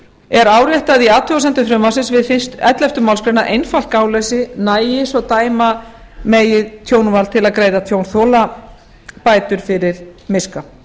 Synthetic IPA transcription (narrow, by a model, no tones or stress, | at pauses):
ɛɾaːwɾjɛht̪aðiaːt̪ʰʏasɛnt̪ʏfɾʏmvasɪnsvɪðfɪnst̪ɛt̪lɛft̪ʏmawlskɾœnaʔejnfal̥kaːwlɛsɪnaːjɪsɔt̪aːjmameːjɪðt̪ʰjownvalt̪ʰɪlaðkɾeːjðat̪ʰjoːwnθɔla | paːjt̪ʏɾ̥fɪɾɪɾ̥mɪska